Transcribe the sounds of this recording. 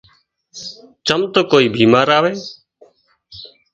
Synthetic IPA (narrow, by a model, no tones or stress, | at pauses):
t͡ʃəmt̪oːkoːiːbʱiːmaːɾaːʋeː